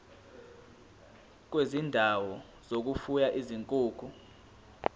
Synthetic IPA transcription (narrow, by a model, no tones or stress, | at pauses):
k̬wezindʱawɔ | z̥ok̬ufujaʔiziŋkʼuːkʰu